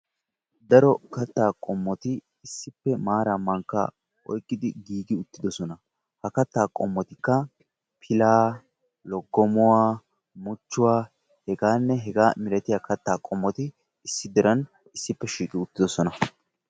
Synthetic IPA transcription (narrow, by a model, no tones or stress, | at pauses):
d̪ɐɾɔkɐt̪ːaːkʼɔmːɔt̪ɪː | sːɪpːɛmaːɾɐmɐŋkːa̰ | ɔ̰jkʼːɪd̪ɪɡiːɡɪʊt̪ːɪd̪ɔsɔnɐ | hɐkɐt̪ːaːkʼɔmːɔt̪ɪkːɐ | pʰɪlaː | lɔɡːɔmɔwaː | mʊt͡ʃːʊwaː | hɛɡaːnːɛɦɛɡaːmɪɾɛt̪ɪjakɐt̪ːaːkʼɔmːɔt̪ɪ | ɪsːɪd̪ɛɾɐn | ɪsːɪpːɛʃiːkʼɪʊt̪ːɪd̪ɔsɔnɐ